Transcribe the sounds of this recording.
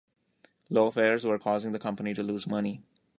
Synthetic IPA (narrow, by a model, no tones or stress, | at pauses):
loːəfɛːɾzwəɾkʰɔːzɪ̃ŋd̪əkʰʌ̃mpəniʈuluːzmʌni